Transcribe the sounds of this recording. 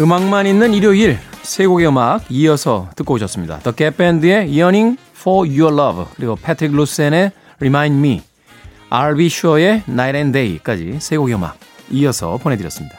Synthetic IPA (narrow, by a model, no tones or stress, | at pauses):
ɯmaŋmaninːɯniɾjoiɭsʰe̞ɡoɡeɯmaɡ̚iʌsʰʌtɯk͈ouɕʰʌs͈ɯmɲida̰t̪ʌk͈epʰendɯe̞jʌniŋ | fɔjuɭʌbkɯɾiɡopʰetʰɯɾik̚ʰlus͈ene | ɾimaj̃ndmi | aɭbiɕʰuʌe̞najɾendeik͈ad͡ʑḭsʰe̞ɡoɡeɯma̰ɡ̚ijʌsʰʌ̰pone̞dɯɾjʌ̰s͈ɯmɲid̥a